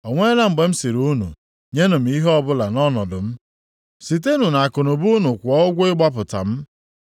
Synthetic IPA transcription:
ɔ˨ŋʷe˦la˦m̩˨ɡ͡be˨m̩˦si˨ɾu˦nṵ˨ | ɲe˦nʊ˨m̩˨˦i˦ɦɔ˦bʊ˦la˨nɔ˦nɔ˨dʊ˨m̩˦ | si˨t̬e˦nu˨na˨a˨kʊ˨nʊ˨bu˦nu˨kʷɔ˦ʊ˦ɡʷɪ˦ɡ͡ba˦p̬ʊ˨ta̰˨m̩˦

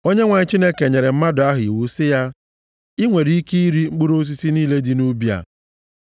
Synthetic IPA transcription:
o˦ɲe˦ŋʷa˨ɲ˦t͡ʃi˦ne˦ke˨ɲe˨ɾe˨m̩˦ma˦dʊ˨a˦ɦʊ˨ḭ˨wu˨sɪ˦ja˦ | i˦ŋʷe˨ɾi˨˦i˦ki˦i˦ɾi˦ŋ͡m̩˦k͡pu˦ɾo˦s̬i˦si˦niː˦le˦di˦nu˦bi˦a̰˨

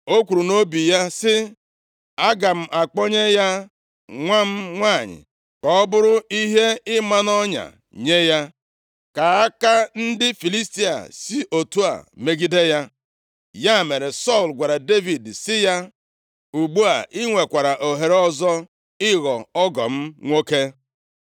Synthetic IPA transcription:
o˦kʷu˨ɾu˨no˦bi˨ja˦sɪ˦ | a˦ɡa˨m̩˦ʔa˨k͡pɔ˦ɲe˦ja˦ | ŋʷa˦m̩˦ŋʷa˦˨ɲɪ̰˨ | kɔ˨ɔ˦bʊ˦ɾʊ˦i˦ɦe˦ɪ˦ma˦nɔ˦ɲa̰˨ | ɲe˦ja˦ | ka˨a˦ka˦n̩˦dɪ˦fi˨li˦sti˦a̰˨si˦ʔo˨tu˦a̰˨me˦ɡi˦de˦ja˦ | ja˦˨me˨ɾe˨sɔ˦˨lɡʷa˨ɾa˨de˦vi˨dsɪ˦ja˦ | u˨ɡ͡bu˦a̰˨ʔɪ˦ŋʷe˨kʷa˨ɾa˨ʔo˨ɦe˨ɾɔ˦zɔ˦ | ɪ˦ɣɔ˨ɔ˦ɡɔ̰˨m̩˦ŋʷo˦ke˦

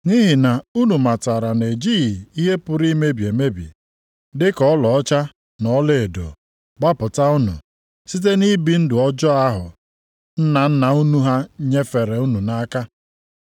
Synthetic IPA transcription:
ni˦ɦi˨na˨u˦nu˨ma˨ta˨ɾa˨ne˨d͡ʒi˦ɣi˨i˦ɦe˦pʊ˦ɾi˦me˦bi˨e˨me˦bḭ˨ | dɪ˦kɔ˦lɔ˨ɔ˦t͡ʃa˦ | nɔ˦le˦˨e˨do̰˨ | ɡ͡ba˦pʊ˨ta˦ʊ˦nʊ̰˨ | si˦t̬e˦ni˦bi˨n̩˦dʊ˨ɔ˦d͡ʒɔ˦a˦ɦʊ̰˨ | n̩˦na˨n̩˦na˨u˦nu˦ɦa˦ɲe˦fe˨ɾe˨u˦nu˨na˦ka˦

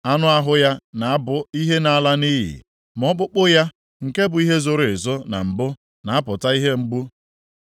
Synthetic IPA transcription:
a˦nʊ˦a˦ɦʊ˦ja˦na˨a˦bʊ˨i˦ɦe˦na˨˦la˦ni˦ɦḭ˨ | m˨ɔ˦k͡pʊ˦k͡pʊ˦ja˦ | ŋ̩˨ke˦bʊ˨i˦ɦe˦zo˦˨ɾe˨zɔ˦na̰˨m̩˨bʊ˦ | na˨˦pʊ˨ta˦i˦ɦe˦ŋ͡m̩˦ɡ͡bu˦

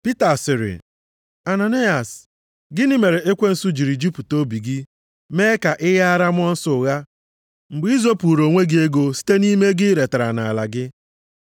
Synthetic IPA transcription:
pi˦ta˨sɪ˨ɾɪ̰˨ | a˨na˨ni˦a˨s | ɡɪ˦nɪ˦me˨ɾe˨e˦kʷe˦n̩˨su˦d͡ʒi˨ɾi˨d͡ʒi˦pu˨to˦bi˨ɡɪ˦ | meː˦ka˨ʔɪ˦ɣa˦a˦ɾa˦mʊ˦ɔ˦n̩˦sʊ˦ʊ˨ɣa˦ | m̩˨ɡ͡bi˦zo˦pu˨ɾo˨ŋʷe˦ɡɪ˦e˦ɡo˦si̥˦te˦ni˦me˦ɡɪ˦ɾe˨ta˨ɾa˨na˨a˨la̰˨ɡɪ˦

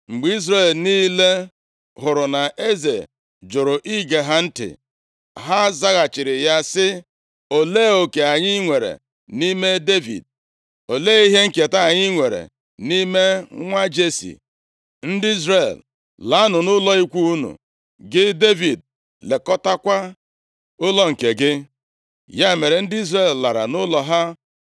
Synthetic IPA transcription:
ŋ͡m̩˨ɡ͡bi˨˦i˦z̬ɾe˦˨lniː˦le˦ | ɦʊ˨ɾʊ˨na˨ʔe˦ze˨ | d͡ʒʊ˨ɾʊ˨ʔi˦ɡe˨ɦa˦n̩˦tɪ̰˨ | ɦa˦za˦ɣa˨t͡ʃɪ˨ɾɪ˨ja˦sɪ˦ | o˨leː˦˨o˨ke˨a˨ɲɪ˦ŋʷe˨ɾḛ˨ | ni˦me˦de˦vḭ˨d̚ | o˨leː˦i˦ɦe˦ŋ̩˦ke˨ta˦a˨ɲɪ˦ŋʷe˨ɾḛ˨ | ni˦me˦ŋʷa˦d͡ʒe˦sḭ˨ | n̩˦dɪ˦i˦zre˦˨l | la˨˦a˦nʊ˨nʊ˦lɔ˦i˦kʷu˦u˦nṵ˨ | ɡɪ˦de˦vi˨d̚ | le˨kɔ˦ta˦kʷa˦ | ʊ˦lɔ˦ŋ̩˨ke˨ɡɪ˦ | ja˦˨me˨ɾe˨n̩˦dɪ˦i˦zre˦˨lla˨ɾa̰˨nʊ˦lɔ˨ɦa˦

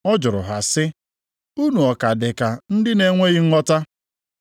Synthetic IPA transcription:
ɔ˦d͡ʒʊ˨ɾʊ̰˨ɦa˨sɪ˦ | u˦nu˨ɔ˨ka˨dɪ˨ka˨n̩˦dɪ˦ne˨ŋʷe˦ɣɪ˦ŋ̩˦ŋɔ˦ta˦

